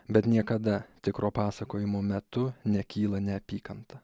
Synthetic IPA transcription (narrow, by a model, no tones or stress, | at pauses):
bʲɛt̪nʲiɛkɐd̪ɐt̪ʲɪkɾoːpɑːsɐkoːjɪmoːmʲɛt̪ʊnʲɛkʲiːlˠɐnʲɛɐpʲiːkɐnt̪ɐ